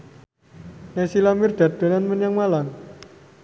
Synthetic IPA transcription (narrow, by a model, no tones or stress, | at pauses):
nesilamird̪̥a̤t̪̚o̤nanmənjaŋmalaŋ